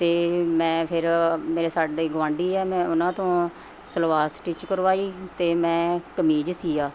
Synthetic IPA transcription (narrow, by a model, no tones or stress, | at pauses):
t̪eːmɛ̃ːpʰɪɾmeːɾeːsaːɖiːɡʋãːɳɖiːɛːmɛ̃ːʊnãːt̪õː | səlʋaːsʈit͡ʃkəɾʋaːiːt̪eːmɛ̃ːkəmiːd͡ʒsiːaː